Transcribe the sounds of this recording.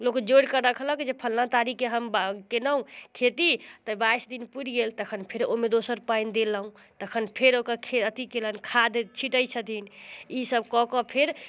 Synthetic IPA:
lokd͡ʒoɽkəɾəkʰləkd͡ʒepʰəlnat̪aɾikeɦəmbkenəũkʰet̪it̪əbaisd̪inpuɾɡelt̪əkʰənpʰeɾomed̪osəɾpaind̪eləɦũ | t̪əkʰənpʰeɾokəɾkʰeət̪ikelənkʰad̪t͡ʃʰiʈəjt͡ʃʰət̪inisəbkɔkɔpʰeɾ

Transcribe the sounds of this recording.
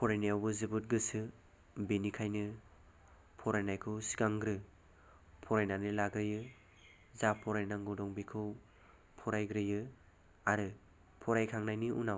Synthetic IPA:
pʰɔɾajniawbɯzɯbɯt̚ɡɯsɯ | benikʰajnɯ | pʰɔɾajnajkʰɯwsi̥ɡaŋɡɾɯ | pʰɔɾajnanɯlaɡɾɯjɯ | zapʰɔɾajnaŋɡudɔŋbikʰɯw | pʰɔɾajɡɾɯjɯ | aɾɯ | pʰɔɾajkʰaŋnajniunaw

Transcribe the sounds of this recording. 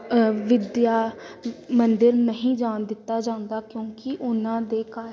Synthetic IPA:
ʋɪd̪jaː | mənd̪ɪɾnəɦĩːd͡ʒaːnd̪ɪt̪ːaːd͡ʒãːʊ̃nd̪aːkjõːkɪʔʊnãːd̪eːkaː

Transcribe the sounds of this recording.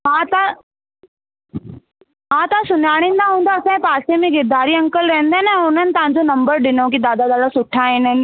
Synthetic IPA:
ɦãːt̪a | ɦãːt̪asʊnaːɽ̃ĩːn̆d̪aɦũːn̆d̪aːsãːepaːsemẽɡɪɾd̪aːɾiɐ̃ŋkəlɾɐɦə̃nd̪aɦɪnɛ̃ːʊn̤ənɪ̆t̪ɐʋ̤ãɲd͡ʑonɐ̃mbəɾɗɪnõkid̪aːd̪ad̪aːd̪asʊʈʰaːɦiːnən

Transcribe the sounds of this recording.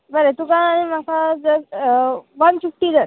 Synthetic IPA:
bəɾet̪ukãːɽ̃imakʰad͡zə | ʋant͡ɕuk̚ʈiːd͡zəɾ

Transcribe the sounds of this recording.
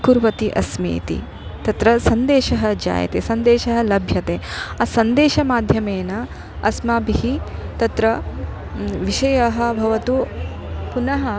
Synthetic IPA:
kuɾʋɐt̪iʔɐsmḛːt̪ḭ | t̪ɐt̪ɾɐsɐnd̪eːʃɐɦɐd͡ʒa̰ːjɐ̰t̪ḛːsɐnd̪eːʃɐɦɐ̆lɐbʱjɐt̪eːasɐnd̪eːʃɐmaːd̪ʱjɐmeːnɐ | ɐ̰smaːbiɦit̪ɐt̪ɾɐ | ʋiʃɐjɐɦɐ̆bʱɐʋɐt̪u | punɐɦɐ

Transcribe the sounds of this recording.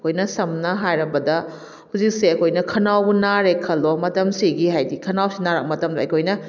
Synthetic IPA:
kʰojnɐsɐmnɐɦajɾɐbɐdɐ | huzik̚seɐkʰojnɐkʰɐnawbunaɾekʰɐlomɐtɐmsiɡihajdikʰɐnawsinaɾɐk̚mɐtɐmdɐːjkʰojnɐ

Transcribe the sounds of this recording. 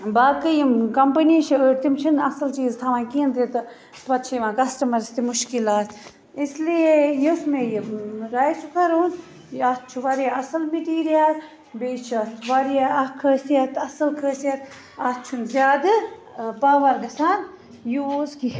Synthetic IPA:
baːkɨjimkɐmpəniʃʰiəɾt̪imt͡ʃʰɐnɐsɐlt͡ʃiːzt̪ʰɐmãːkiːnt̪it̪ɨ | tpɐt̪t͡ʃʰiʋãːkɐsʈɐmɐɾst̪imuʃkilaːt̪ | islijejusmejiɾaːjsukʰɐɾuːn | ɐs̚t͡ʃʰuʋɐɾjaɐsɐlmiʈiːɾijaːl | beːt͡ʃʰɐt̪ʰʋɐɾjaɐkʰəːsijɐt̪ʰɐsɐlkʰəːsjɐt̪ | ɐt̪t͡ʃʰunzʲjaːd̪ɨ | paːʋɐɾɡɐsaːn | juzki

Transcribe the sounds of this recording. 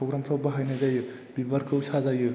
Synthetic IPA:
pʰoɡɾamtʰawbɐɦajnajzajɯ | bibaɾkʰɯwsazajɯ

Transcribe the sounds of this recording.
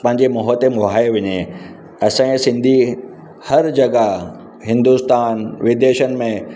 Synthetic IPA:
pɐ̃ɦɪ̃ɲd͡ʑemɔɦət̪emʊɦaːeʋɐɲe | ɐsãẽsɪ̃nd̪ʱi | hɐɾd͡ʑɐɡa | ɦɪ̃nd̪ust̪aːnʋɪd̪eːʃənɪ̆mẽ

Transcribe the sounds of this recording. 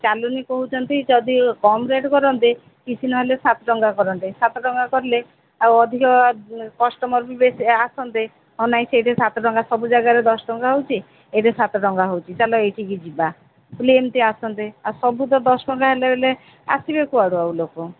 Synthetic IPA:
t͡ʃalunikoɦut͡ʃʰɔnt̪id͡ʒɔd̪ʱikɔmɾeʈkɔɾɔnt̪e | kit͡ʃʰinɔɦelesat̪ɔɖɔŋɡakɔɾɔnt̪esat̪ɔɖɔŋɡakɔɾle | aɔd̪ʱikɔkɔsʈɔmɔɾbibesasɔnt̪e | ɦɔnaj̃sejʈesat̪ɔɖɔŋɡasɔbud͡ʒaɡaɾed̪ɔsʈɔŋɡaɦowt͡ʃʰi | eʈesat̪ɔɖɔŋɡaɦowt͡ʃʰit͡ʃalɔejʈʰikid͡ʒiba | plemt̪iasɔnt̪easɔbut̪ɔd̪ɔsɔʈɔŋɡaɦelebʱele | a̰sibekuaɽuawloko

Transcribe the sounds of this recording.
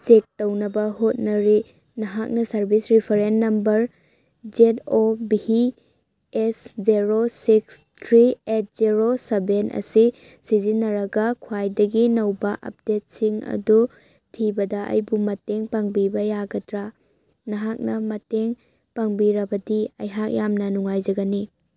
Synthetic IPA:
sek̚tɐwnɐbɐɦot̚nɐɾi | nɐɦak̚nɐsɐɾbisɾipʰɐɾenːɐmbɐɾ | d͡ʒetobihi | esd͡ʒeɾosikstʰɾiet̚z̥iɾosebenɐ̰si | sizinːɐɾɐɡɐkʰwajdɐɡinɐwbɐʔɐ̰p̚det̚siŋɐ̰du | tʰibɐdɐʔɐ̰jbumɐteŋpaŋbibɐjaɡɐtɾa | nɐɦak̚nɐmɐteŋ | paŋbiɾɐbɐdiɐ̰jɦak̚jamnɐnuŋajd͡ʒɐɡɐni

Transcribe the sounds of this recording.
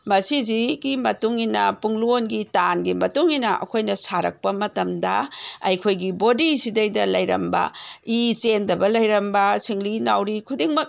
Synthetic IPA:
mɐsiziɡimɐtuŋinɐ̰puŋluonɡitanɡimɐtuŋinɐʔɐ̰kʰojnɐsaɾɐ̰k̚pɐmɐtɐmdɐ̰ɐ̰jkʰojɡibodisidɐjdɐlɐjɾɐ̰mbɐ̰it͡ʃendɐbɐlɐjɾɐmbɐsiŋlinawɾikʰudiŋmɐk̚

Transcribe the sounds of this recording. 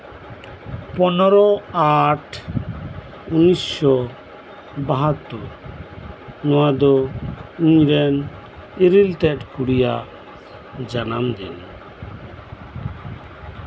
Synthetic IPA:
pɔnɔɾɔaʈʰ | unisʃɔ | baɦat̪ːuɾ | nɔwad̪ɔiɲɾɛn | iɾilt̪ɛt̪̚kuɽijaʔ | d͡ʒanamd̪ɛ̰n

